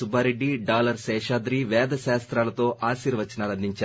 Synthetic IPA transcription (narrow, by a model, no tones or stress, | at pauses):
subʱaːɾeɖːiɖaːlɐɾsɛːʂaːd̪ɾiːʋɛːd̪ɐʃaːst̪ɾaːlɐt̪o̞ːʔaːsiːɾʋɐt͡ʃːɐnaːlɐnd̪ʱiɲt͡ʃa